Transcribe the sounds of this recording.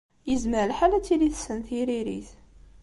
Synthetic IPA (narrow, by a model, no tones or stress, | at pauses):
jəzməɾəlħalæt͡sːiliθsənθiɾiɾḭθ